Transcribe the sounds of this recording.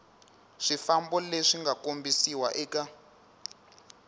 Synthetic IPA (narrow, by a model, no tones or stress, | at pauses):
ʂifambɔleʂiŋɡakombisiwaʔɛːka